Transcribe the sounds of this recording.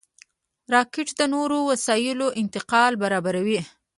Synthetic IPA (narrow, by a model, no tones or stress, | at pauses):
ɾɑkɪʈd̪ənoɾowasɑjɪloʔɪnt̪ɪqɑlbaɾɑbaɾawi